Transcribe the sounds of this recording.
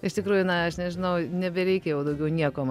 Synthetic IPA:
ɪʃt̪ʲɪkɾuːjʊnɐɐʃnʲɛʒʲɪnɐʊnʲɛbʲɛɾʲɛɪkʲɛjɛʊd̪ɐʊɡʲɛʊnʲiɛkoːm

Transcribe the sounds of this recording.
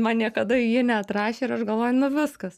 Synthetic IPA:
mɐnnʲiɛkɐd̪ɐɪjɪːnʲɛɐt̪ɾɑːʃʲeːɪɾɐʃɡɐlˠʋoːjʊnʊʋʲɪskɐs

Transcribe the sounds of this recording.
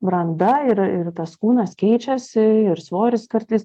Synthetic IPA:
bɾɐnd̪ɐɪɾɪɾt̪ɐskuːnɐskʲɛɪt͡ʃʲɛsʲɪɪɾsʋoːɾʲɪskɐɾʲt̪ʲɪs

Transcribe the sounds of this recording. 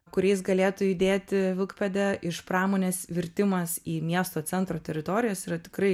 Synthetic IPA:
kʊɾʲɛɪs̬ɡɐlʲeːt̪ʊid̪ʲeːt̪ʲɪʋʲɪlˠkpʲɛd̪ʲɛʔɪʃpɾɑːmoːnʲeːsʋʲɪɾʲt̪ʲɪmɐsiːmʲiɛst̪oːt͡ssʲɛnt̪ɾoːt̪ʲɛɾʲɪt̪oːɾʲɪjoːsiɾɐt̪ʲɪ̥kɾɐɪ

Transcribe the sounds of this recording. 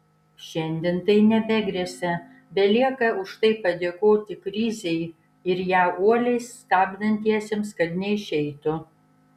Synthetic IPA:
ʃʲɛnʲd̪ʲɪːnt̪ɐɪnʲɛbʲɛɡɾʲiɛsʲɛ | bʲɛlʲiɛkɐʊʃt̪ɐɪpɐd̪ʲeːkoːt̪ʲɪkɾʲɪzʲɛɪ | ɪɾjæːʔuɔlʲɛɪst̪ɑːbʲd̪ɐnʲt̪ʲiɛsʲɛmskɐt̪nʲɛɪʃʲɛɪt̪ʊ

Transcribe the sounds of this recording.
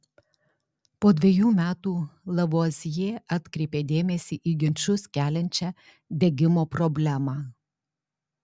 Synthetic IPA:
poːd̪ʲʋʲɛjuːmʲæːt̪uːlˠɐʋoːzʲɪjeːɑt̪ʲkɾʲeɪpʲeːd̪ʲeːmʲɛsʲiːʔiːɡʲɪnʲt͡ʃʲʊskʲæːlʲɛnʲt͡ʃʲæ | d̪ʲeɡʲɪmoːpɾɔbʲlʲæmɑː

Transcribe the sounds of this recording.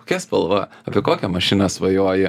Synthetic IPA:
ko̥kʲɛspɐlˠʋɐɐpʲɪɛkoːkʲɛmɐʃʲɪnɐsʋɐjoɔjɛ

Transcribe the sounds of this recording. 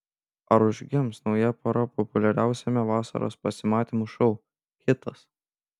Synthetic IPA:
ɐɾʊʒʲɡʲɪmsnɒʊjɛpɐɾɐpɔpʊlʲɛɾʲæˑʊsʲɛmʲɛʋɑːsɐ̰ɾo̰ːspɐsʲɪmɑːt̪ʲimuʃɔʊ | xʲɪt̪ɐs

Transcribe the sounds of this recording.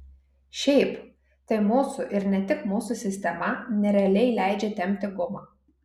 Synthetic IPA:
ʃʲɛɪp | t̪ɐɪmuːsʊʔɪɾnʲɛt̪ʲɪkmuːsʊsʲɪsʲt̪ʲɛmɐnʲɛɾʲɛɐlʲɛɪlʲæɪd͡ʒʲɛt̪ʲɛmʲt̪ʲɪɡʊmɑː

